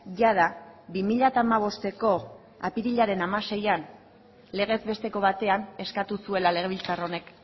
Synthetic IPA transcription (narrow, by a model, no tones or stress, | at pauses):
ʝað̞abimiʎat̪aːmaβ̞o̞st̪e̞ko̞ | apiɾiʎaɾe̞namase̞jan | le̞ɣ̞e̞zbe̞st̪e̞ko̞βat̪e̞ane̞skat̪usue̞lale̞ɣe̞β̞ilt͡saro̞ne̞k